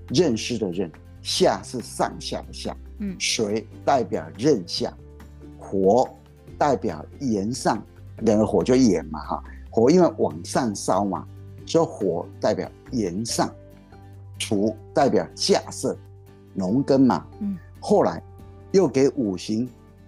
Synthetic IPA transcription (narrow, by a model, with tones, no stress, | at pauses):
ɻə˥˩nʂɻ̩˥d̪ə˨ɻə˥˩n | ɕja˥˧sɹ̩˥˧sɑ̰˥˧ŋɕja̰˥˧˨ɕja̰˥˩ʂwe˧˥ɪt̪a˥˩ɪpjɑ˨˩ʊɻə˥˧nɕja̰˥˩ | xwɔ˧˥ | t̪a˥˩ɪpjɑ˨˩ʊjɛ˧˥nsɑ˥˩ŋ | lja˨˩ŋɡə˧˦xwɔ˨˧˥t͡ɕjo˥˩ʊjɛ˨˩nmɐ˦ɑ̰˧˩xwɔ˧˥i˥nwe˥˩ɪwɑ˨˩ŋsa˥˩ŋsɑ˥˩ʊma̰˨˩ʈ͡ʂo˥˩ʊxwɔ˨˧˥t̪a˥˩ɪpjɑ̰˨˩ʊjɛ˧˥nsɑ̰˥˩ŋ | ʈ͡ʂʰu˧˥t̪a˥˩ɪpjɑ˨˩ʊɕja˥˧sɤ˥˩ | nʊ˧˥ŋkə˥nmɐ̰˨ | xo˥˩ʊla˧˥ɪ | jo˥˩ʊke˧˥ɪʔu˨˩ɕi˧˥ŋ